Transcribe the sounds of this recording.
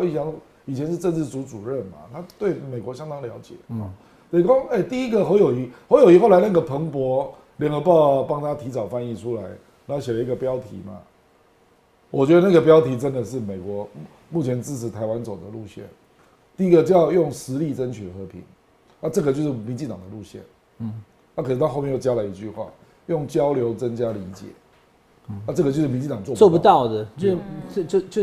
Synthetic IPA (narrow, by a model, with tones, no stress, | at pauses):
i˥˩ɕjɑ˧˥ŋ˥ | i˨˩t͡ɕʰɛ˧˦nʂɻ̩˥˧ʈ͡ʂə˥˧nt͡sɻ̩˥˩t͡su˧˥t͡su˨˩ɻə˥˩nma̰˨˩t̪ʰa˥t̪we˥˩ɪme˨˩ɪkwɔ˧˥ɕjɑ˥ŋd̪ɑ˥ŋljɑ˧˥ʊt͡ɕjɛ̰˨˩˦ɔ˨ | t̪ə˨˩˨kɔ˥e˥˩ɪt̪i˥˩i˦˥ɡə˨xo˧˥ʊjo˨˩ʊi˧˥xo˧˥jo˨˩i˧˥xo˥˩ʊla˧˥ɪna˥˩ɡə˩pʰə˧˦˥ŋpwɔ˧˥ | ljə˨˩ŋə˧˦pɑ˥˩ʊpɑ˥ŋt̪ʰa˦t̪ʰi˧˥t͡sɑ˨˩ʊfa˥˧ni˥˩ʈ͡ʂʰu˥la˧˦˥ɪ | na˨˧˥ho˥˧ʊɕjɛ˨˩lə˦i˧˥ɡə˨pjɑ˦˥ʊt̪ʰḭ˧˥ma̰˨˩ | wʔɔ˨t͡ɕɥɛ˧˦d̪ə˧na˥˩ɡə˩p̬jɑ˥ʊt̪ʰi˧˥ʈ͡ʂə˦nd̪ə˨ʂ̬ɻ̩˥˩me˨˩ɪkwɔ˧˥ | mu˥˩t͡ɕʰjɛ˧˦nt͡sɻ̩˥˩ʈ͡ʂ̩ʰ˧˥t̪ʰa˧˥ɪwa˦nt͡so˨˩d̪ə˦lu˥˧ɕjɛ̰˥˩n | t̪i˥˧i˦˥ɡə˨t͡ɕo˥˧jjʊ˥˩ŋʂɻ̩˧˦li˥˩t͡sə˦nt͡ɕʰy˨˩d̪ə˩xɤ˧˦pʰḭ˧˦ŋ | na˥˧ʈ͡ʂɤ˥˩ɡə˩t͡ɕo˥˧ʊʂ̬ɻ̩˥˩mi˧nt͡ɕi˥˩ŋt̪ɑ˨˩ŋd̪ə˦lu˥˧ɕjɛ̰˥˩n | na˥˩k̩̪ʰ˨˩˥xo˥˧mjjt͡ɕja˥lə˨˩i˧˦t͡ɕy˥˧xwa̰˥˩ | jʊ˥˩ŋt͡ɕjɑ˥ʊljo˧˥ʊt͡sə˦nt͡ɕja˦˥li˧˥t͡ɕjɛ̰˨˩˦ | a˧ʈ͡ʂɤ˥˩ɡə˩t͡ɕo˥˧ʂ̩˥˩mi˧˦nt͡ɕi˥˩t̪ɑ˨˩ŋt͡swɔ˥˧˨t͡swɔ˥˨˩pu˧t̪ɑ˥˩ʊd̪ə˨˩t͡ɕo˥˧t͡ɕo˥˧o˥˧